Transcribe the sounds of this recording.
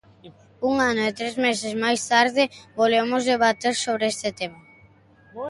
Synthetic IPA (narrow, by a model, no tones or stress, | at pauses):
uŋanoet̪ɾezmesezmajst̪aɾðɪbolemozðeβat̪eɾsoβɾeest̪ɪt̪ema